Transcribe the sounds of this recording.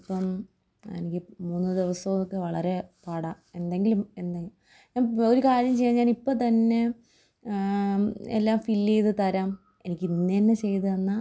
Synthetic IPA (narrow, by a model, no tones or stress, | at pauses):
pːɐm | ɐnikʲːɨmunːɨd̪iʋɐsːɐʋumokːeʋɐɭɐɾe̞pɐɽɐ | e̞nd̪e̞ŋɡilume̞nd̪aj | ɲaːno̞ɾukaːɾjɐmt͡ɕe̞jːnːɲaːnipːoːt̪ɐnːe̞ | ḛlːaːmfilːejðɨt̪ɐɾaːm | e̞nikʲːinːenːet͡ɕe̞jt̪ɨɐnːa